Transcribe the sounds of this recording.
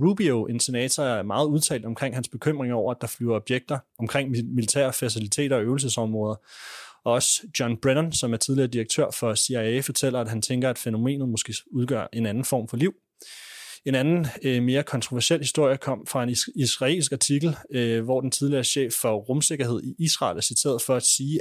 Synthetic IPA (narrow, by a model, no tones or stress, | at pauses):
ʁub̥ioʔe̝nse̝nɛ̰ːt͡sʰɒæɐmɑ̈ːð̩ˠuð̞ˠt͡sʰɛ̰ːld̥ɒ̽mkʰʁeŋ̰ɦænsb̥e̝kʰøm̰ʁeŋɐɒ̰ʊ̰ɐæd̥ɑ̈flyʊɐɒ̽b̥jeɡ̥̚d̥ɐɒ̽mkʰʁeŋ̰milit͡sʰɛ̰ːɐfæs̬ilit͡sʰe̝̰ːd̥ɐɒ̽øʊl̩səsɒ̽mʁɔ̽ːð̞ˠɐɒ̽ɒ̽sd̥jɒnb̥ʁenɐnsɒ̽mæɐt͡sʰið̞ˠliɐːd̥iʁeɡ̥̚t͡sʰøɐ̰fɒ̽seæfɒ̽t͡sʰel̰ɐæd̥ɦænt͡sʰeŋɡ̥ɐæd̥feno̝me̝̰ːnð̩ˠmosɡ̥e̝̰uð̞ˠɡ̥ɶ̰ɐ̰ʔe̝nænn̩fɒ̰ːmfɒ̽liʊ̰ | e̝nænn̩me̝ːɐkʰɒ̽nt͡sʰʁo̝ʋæɐɕel̰hisd̥o̝ɐ̰jəkʰɒ̽m̰fʁɑ̈e̝nisʁɑ̈e̝̰lsɡ̥ɑ̈t͡sʰiɡ̥l̩ʋɒd̥ent͡sʰið̞ˠliɐːɕḛːfːɒ̽ʁɔmse̝ɡ̥ɐɦe̝ð̰ˠiʔisʁɑ̰̈ːlæɐsit͡sʰe̝̰ːɐð̩ˠfɒ̽æd̥siː